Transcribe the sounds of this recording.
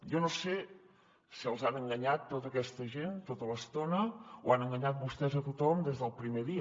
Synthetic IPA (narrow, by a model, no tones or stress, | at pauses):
jonose | siəlˠzanəŋɡəɲat̪ːot̪əkɛst̪əʒent̪ot̪ələst̪onəoanəŋɡəɲat̪̚bust̪ɛzət̪ut̪ɔmd̪ezðəlˠpɾimeðiə